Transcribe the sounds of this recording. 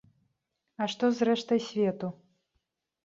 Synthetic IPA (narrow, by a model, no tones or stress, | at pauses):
ɐʂt̪ɔzɾɛʂt̪ɐjsʲvʲɛt̪u